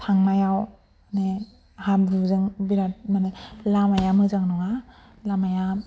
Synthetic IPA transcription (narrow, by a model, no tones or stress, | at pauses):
tʰaŋmajaw | ne | hamduzɯŋbiɾat̚manɯlamajamɯzaŋnɔŋa | lamaja